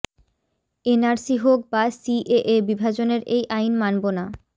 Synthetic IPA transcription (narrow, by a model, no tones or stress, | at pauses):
enaɾsiɦok̚basiʔeʔebibʱad͡ʑoneɾejʔajnmanbona